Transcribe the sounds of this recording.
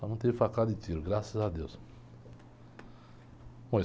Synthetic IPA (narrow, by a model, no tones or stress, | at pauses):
anɐ̃w̃t̪evɪfakad̪ɪt̪iɾʊɡɾasɐzad̪ews | põj